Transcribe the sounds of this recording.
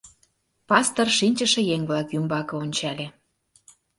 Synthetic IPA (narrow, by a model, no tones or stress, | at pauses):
pɑst̪ɤrʃinʲt͡ɕə̆ʃĕjeŋβlɑkjymbɑkɤ̆onʲt͡ɕɑlʲe